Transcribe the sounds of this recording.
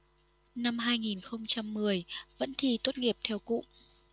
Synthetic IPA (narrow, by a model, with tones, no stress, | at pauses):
na˧mɦaː˧jŋi˨˩nxə˧wŋ͡mt͡ɕa˧mːɨ˨˩əjvə̰˧˥nt̪ʰi˧˩t̪o˦˥t̚ŋi˨˩əp̚t̪ʰɛ˧wkṵ˧˨